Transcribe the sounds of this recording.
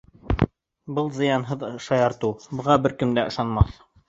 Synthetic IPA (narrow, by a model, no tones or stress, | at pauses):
bɤlˠzɤ̆jɑnɦɤðɤʃɑjɑɾt̪ubɤ̆ʁɑbɘɾkɘ̆md̪æʔɤ̆ʃɑnmɑθ